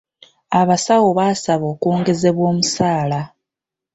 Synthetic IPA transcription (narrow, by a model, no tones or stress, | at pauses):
aβasawoβaːsaβo̞ːkuːŋɡe̞ze̞βwo̞ːmusaːla